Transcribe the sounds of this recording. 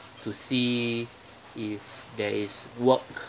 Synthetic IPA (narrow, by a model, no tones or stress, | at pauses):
tusi | ifdɛiswɔk